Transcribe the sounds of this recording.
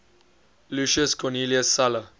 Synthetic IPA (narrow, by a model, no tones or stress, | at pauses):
luʃəskʰɔniːliəsːalə